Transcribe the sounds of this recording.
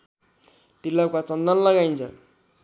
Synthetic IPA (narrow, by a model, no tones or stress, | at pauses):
t̪ilːʌkat͡sʌnd̪ʌnlʌɡajnt͡sʰʌ̰